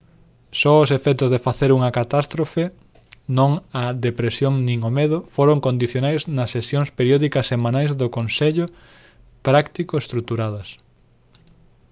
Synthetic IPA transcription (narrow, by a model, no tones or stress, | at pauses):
sɔosefɛt̪ʊzðefaθeɾuŋɐkat̪ast̪ɾofe | nõŋɐðepɾesjoŋnĩŋomeðʊfoɾoŋkond̪iθjonajznɐsːesjoŋspeɾjɔðikɐsːemãnajzðʊkonseʎʊ | pɾakt̪ikʊest̪ɾut̪uɾaðɐs